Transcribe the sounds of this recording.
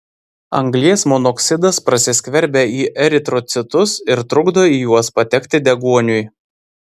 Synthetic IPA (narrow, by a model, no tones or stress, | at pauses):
ɐ̰ŋɡlʲiɛsmɔnɔksʲɪd̪ɐspɾɐsʲɪsʲkʲʋʲɛɾʲbʲɛiːʔɛɾʲɪt̪ɾɔt̪sʲɪt̪ʊsɪɾt̪ɾʊɡd̪oiːjuɔspɐt̪ʲɛkʲt̪ʲɪd̪ʲɛɡuɔnʲʊj